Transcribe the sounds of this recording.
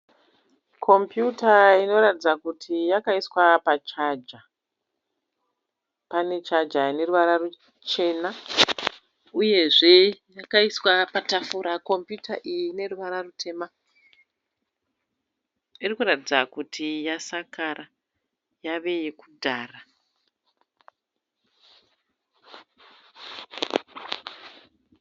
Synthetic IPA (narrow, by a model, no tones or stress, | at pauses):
kʰo̞mpjutaino̞ratid͡zakutʰijakaiswapat͡ʃad͡ʒa | pane̞t͡ʃad͡ʒaine̞ruʋaɾaru | t͡ʃe̞ːna | uje̞ʐe̞jakaiswapatafuɾako̞mpjutʰa̰ʔijine̞ruʋaɾarutʰe̞ma | irikuratid͡zakutʰijasakara | jaʋe̞jekudʱaːra